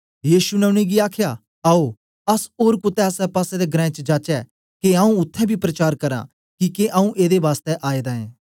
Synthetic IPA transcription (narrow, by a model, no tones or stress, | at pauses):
jiːʃunɛʊɽ̃eɡiaːkʰja | ɐo | ɐsoːɾkʊt̪ɛɐsɛpaːsɛd̪eɡɾɛ̃ːt͡ʃd͡ʒaːt͡ʃɛ | keãːũʊt̪ʰːɛbʱipɾɐt͡ʃaːɾkɐɾa̰ | kikeʔɐũʔeːd̪eʋaːst̪ɛʔaːed̪aẽː